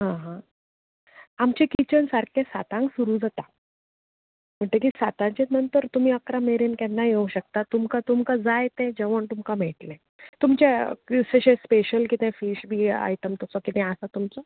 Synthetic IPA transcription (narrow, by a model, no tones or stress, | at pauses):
ɦãɦã | amt͡ɕekit͡ɕənsaɾkʰesat̪ãŋɡsuɾud͡zat̪a | m̤əɳʈ̪ekisat̪ãt͡ɕenənt̪əɾt̪um̤iːəkɾameɾenkɛnːajeuɕək̚t̪at̪umkat̪umkad͡zajt̪ẽd͡ʑəʋəɳt̪umkam̤eʈlẽ | t̪umt͡ɕekseɕespeɕəlkit̪ɛ̃fiːɕbʱiːa̰jt̪əmt̪ɔsɔkit̪ɛ̃əsat̪umt͡sɔ